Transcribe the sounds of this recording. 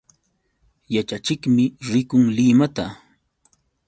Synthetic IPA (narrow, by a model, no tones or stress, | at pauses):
jat͡ʃat͡ʃɪkmɪɾɪkʊŋlɪmat̪a